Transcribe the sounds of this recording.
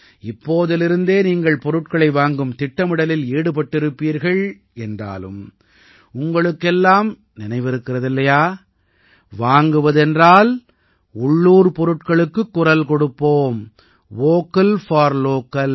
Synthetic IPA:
ɪpːoːðɐlɪɾɯnd̪eːniːŋɡɐɭpɔɾɯʈkɐɭɐɪʋaːŋɡɯmt̪ɪʈːɐmɪɽɐlɪleːɽɯpɐʈːɪɾɯpːiːɾɣɐɭ | ɛndra̰ːlɯ̰m | ʊŋɡɐɭɯkːɛlːaːm | nɪnɐɪʋɪɾɯkːɪrɐðɪlːɐjaː | ʋaːŋɡɯʋɐðɛndraːl | ʊɭːuːɾpɔɾɯʈkɐɭɯkːɯkːʊrɐlkɔɽɯpːoːm | ʋoːkːɐlfaːɾloːkɐl

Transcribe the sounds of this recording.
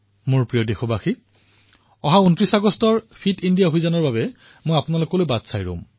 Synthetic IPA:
muɹpɹijodexɔbaxi | ɔɦauntɹisaɡɔstɔɹpʰitindijaobʱizanɔɹbaβɛ | mojapʊnalokɔlojbadsajɹo̰m

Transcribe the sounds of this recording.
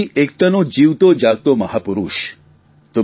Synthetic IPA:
iʔekt̪ɐnod͡ʒiwt̪od͡ʒaɡ̚t̪omɐɦapuɾuʃ | t̪o

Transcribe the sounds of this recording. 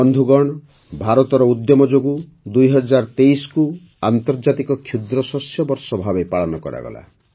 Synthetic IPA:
ɔnd̪ʱuɡɔɽ̃ɔ | bʱaɾɔt̪ɔɾɔud̪jɔmɔd͡ʒoɡu | d̪ujɦɔd͡ʒaɾt̪ejsɔ̥ku | ant̪ɔɾd͡ʒat̪ikɔkʰjud̪ɾɔsɔsjɔbɔɾsɔbʱabepaɭɔnɔkɔ̰ɾa̰ɡɔ̰la̰

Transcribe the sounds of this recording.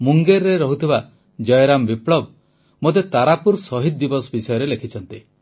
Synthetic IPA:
muŋɡeɾːeɾɔɦut̪ʰiba | d͡ʒɔjɔɾambipɭɔb̚ | mot̪̬et̪aɾapuɾsɔɦid̪̚d̪ibɔsbisɔjɔɾelekʰit͡ʃʰɔnt̪i

